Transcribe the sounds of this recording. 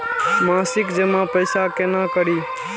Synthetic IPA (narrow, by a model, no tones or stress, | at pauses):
mãːsɪkd͡ʒemãpəɪsakenãːkəɾiː